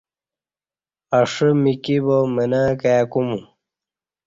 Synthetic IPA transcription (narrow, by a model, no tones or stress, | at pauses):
ɐʂəmikibomənaːkaːkumu